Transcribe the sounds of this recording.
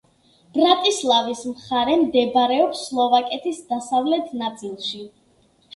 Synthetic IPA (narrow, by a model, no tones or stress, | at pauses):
b̥ɾat̪ʼislˠavismχaɾɛmd̪ɛbaɾɛɔpsːlˠɔvakʼɛt̪ʰisd̪asavlɛt̪ʰnat̪sʼilˠʃi